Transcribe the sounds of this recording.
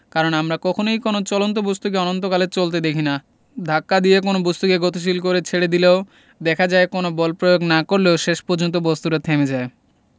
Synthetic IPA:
kaɾonamɾakɔkʰonojkonot͡ɕɔlont̪̬obost̪uk̬eɔnont̪̬okalet͡ɕolt̪ed̪ekʰina | d̪ʱakːad̪ijekonobost̪ukeɡot̪uʃ̬ilkoɾet͡ɕʰeɽed̪ileo | d̪ɛkʰad͡ʑaekonobɔlpɾojoɡnakoɾleoʃeʃpɔɾd͡ʑont̪̬obost̪uɾat̪ʰemed͡ʑae

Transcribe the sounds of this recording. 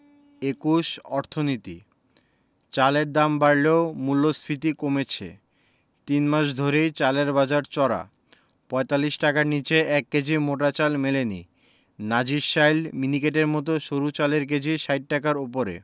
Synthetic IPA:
ekuʃɔɾt̪ʰonit̪i | t͡ɕaleɾd̪ambaɽleomulːosfit̪̬ikomet͡ɕʰḛ | t̪inmaʃ̬d̪ʱoɾejt͡ɕaleɾbad͡ʑaɾt͡ɕɔɾa̰ | pɔet̪alːiʃʈakaɾnit͡ɕeʔɛk̚ːed͡ʑʱimoʈ̬at͡ɕalmeleni | nad͡ʑiʃajlminikeʈ̬eɾmɔt̪̬oʃoɾut͡ɕaleɾk̬ed͡ʑʱiʃajʈ̚ʈakaɾop̬oɾḛ

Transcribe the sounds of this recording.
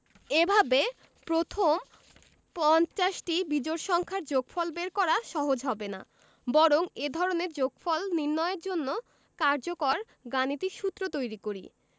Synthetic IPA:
ebʱabe | pɾot̪ʰom | pɔnt͡ɕaʃʈibid͡ʑoɾʃɔŋkʰaɾd͡ʑoɡfɔlbeɾkɔɾaʃɔɦod͡ʑɦɔbena̰ | bɔɾoŋed̪ʱɔɾoneɾd͡ʑoɡfɔlniɾnɔeeɾd͡ʑonːo | kaɾd͡ʑokɔɾ | ɡanit̪iʃut̪ːɾot̪ojɾikoɾḭ

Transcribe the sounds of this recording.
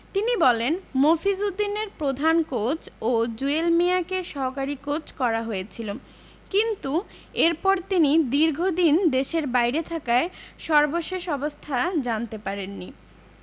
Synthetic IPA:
t̪inibɔlenmofizud̪ːineɾpɾod̪ʱankot͡ɕod͡ʑuelmiakeʃɔɦokaɾikot͡ɕkɔɾaɦoet͡ɕʰilo | kint̪u | eɾpɔɾt̪inid̪iɾɡʱod̪ind̪eʃeɾbajɾet̪ʰakaeʃɔɾboʃeʃɔbost̪ʰad͡ʑant̪epaɾenːi

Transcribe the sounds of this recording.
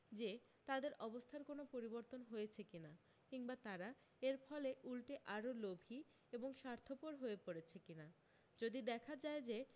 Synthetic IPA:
d͡ʑe | t̪ad̪eɾʔɔbost̪ʰaɾkonopoɾiboɾt̪onɦojet͡ɕʰekina | kiŋbat̪aɾa | eɾfɔleʔulʈeʔaɾolobʱi | eboŋʃaɾt̪ʰopoɾɦoepoɾet͡ɕʰekina | d͡ʑod̪id̪ɛkʰad͡ʑaed͡ʑe

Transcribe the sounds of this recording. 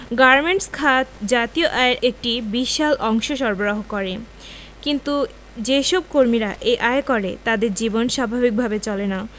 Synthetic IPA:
ɡaɾmeɳʈskʰat̪d͡ʑat̪ioʔaeɾʔek̚ʈibiʃalʔɔŋʃoʃɔɾboɾoɦokɔɾe | kint̪u | d͡ʑeʃɔb̚koɾmiɾaʔeʔaekɔɾet̪ad̪eɾd͡ʑibonʃabʱabik̚bʱabet͡ɕɔlena

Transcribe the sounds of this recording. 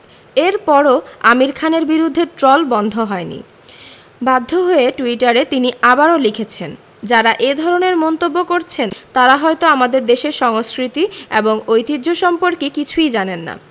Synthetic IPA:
eɾpɔɾoamiɾkʰaneɾbiɾud̪ʱːeʈɾolbɔnd̪ʱoɦɔenḭ | bad̪ʱːoɦoeʈuiʈaɾet̪iniʔabaɾolikʰet͡ɕʰen | d͡ʑaɾaʔed̪ʱɔɾoneɾmɔnt̪obːokoɾt͡ɕʰent̪aɾaɦɔet̪oamad̪eɾd̪eʃeɾʃɔŋoskɾit̪iḛboŋojt̪idd͡ʑoʃɔmpoɾkekit͡ɕʰujd͡ʑanenːa̰

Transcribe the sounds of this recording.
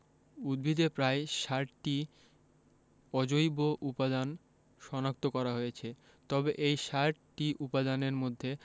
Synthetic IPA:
ud̪̚bʱid̪epɾaeʃaʈʈi | ɔd͡ʑojboʔupad̪an | ʃɔnak̚t̪okɔɾaɦojet͡ɕʰe | t̪ɔbeʔejʃaʈʈiʔupad̪aneɾmod̪ʱːe

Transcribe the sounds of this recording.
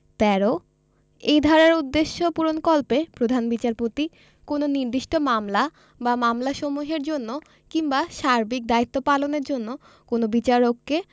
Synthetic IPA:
t̪ɛɾo | ejd̪ʱɔɾaɾud̪ːeʃːopuɾonkɔlpepɾod̪ʱanbit͡ɕaɾpot̪i | kononiɾd̪iʃʈomamla | bamamlaʃomuɦeɾd͡ʑonːo | kimbaʃaɾbik̚d̪ait̪ːopaloneɾd͡ʑonːo | konobit͡ɕaɾokːe

